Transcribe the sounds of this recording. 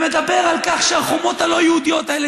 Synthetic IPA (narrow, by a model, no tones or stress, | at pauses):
med̪abe̞ʁalkaχʃeaχomo̞t̪halo̞jeud̪ijo̞t̪aele